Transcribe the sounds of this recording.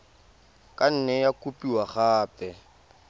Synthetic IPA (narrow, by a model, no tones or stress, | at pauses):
kʼan̩nɛjakupʼiwaχaːpɛ